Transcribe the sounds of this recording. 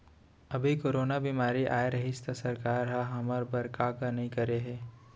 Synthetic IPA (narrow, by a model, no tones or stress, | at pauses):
ɐbʱikoːɾoːnabiːmaːɾiʔaːeɾɐɦist̪asɐɾkaːɾɦaɦɐməɾbɐɾkaːkanɐɦĩkɐɾeɦɛː